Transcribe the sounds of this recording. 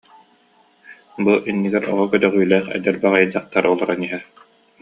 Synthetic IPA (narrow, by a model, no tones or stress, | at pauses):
buʔinːiɡɛɾʔɔ̰ʁɔkœt̪œʁyːlɛːχɛ̰d̪ɛɾbæʁajd͡ʑaχt̪aɾɔlˠɔɾaniɦɛ